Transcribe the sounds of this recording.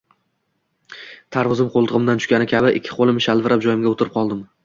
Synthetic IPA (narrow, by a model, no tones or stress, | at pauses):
t̪ʰaɾvʊzɪmqʰolˠt̪ʰɨʁɨmd̪ant̪ʰʊ̥ʃkʲanɪkʲʰabɪʔɪ̰kʲʰːɪ̥qʰolˠɪmɪʃalvɪɾap̚d͡ʒɒjɪmɡʲaot̪ʰɪɾɪp̚qʰɒlˠd̪ɪm